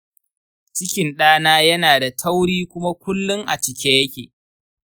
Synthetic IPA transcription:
t͡ʃɪ˦kʲɪ˨nɗaː˦naː˦jɐ˦naː˨da˨tʰɐ˦wɽiː˦kʷʊ˦ma˦kʷʊ˦lːʊ˦ŋʔa̰˨t͡ʃɪ˨kʲeː˦jɐ˦kʲḛː˨

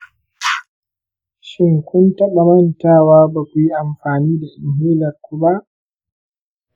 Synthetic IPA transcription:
ʃɪ˦ŋkʷʊ˦ntɐ˦ɓa˨mɐ˦ntaː˦˨waː˦ba˨kʷu˨ji˦ʔa˨mɸaː˨niː˦da˨sɪ˨m˨ɦiː˦lɐ˨ɾkʷu˦ba˦ʔ

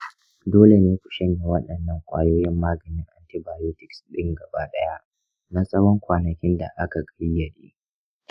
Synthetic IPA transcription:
doː˦le˨neː˦kʷʊ̥˨ʃɐ˦ɲːa˨wɐ˦ɗɐ˨nːɐ˦ŋkʷʼa̰ː˨joː˦jɪ˦mːaː˦ɡɐ˨nɪ˦ŋʔa̰˦nti˦baː˨joː˦tɪ˨ksɗɪ˦ŋɡɐ˨baː˦ɗɐ˦ja˦ | na˦sʼɐ˦wɔ˦ŋkʷaː˨nɐ˨kʲɪ˦nda̰˨ʔa˦ka˨kʼɐ˦ɽjɐ˨ɗḭː˦

